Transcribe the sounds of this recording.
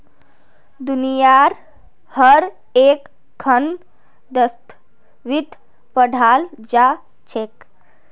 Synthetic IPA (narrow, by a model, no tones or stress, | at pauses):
d̪unijaɾ | həɾ | ek | kʰːən | d̪əst̪ʰ | ʋid̪ʱ | pəɽʱaːld͡ʒa | t͡ʃʰek